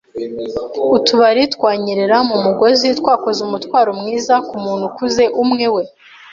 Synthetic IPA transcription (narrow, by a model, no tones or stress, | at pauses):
utuβaɾitkwaːɲiɾeɾamumuɡo̞zitwaːko̞zeumutwaːɾomŋiːzakumuːn̥hukuze̞ʔumŋe̞we̞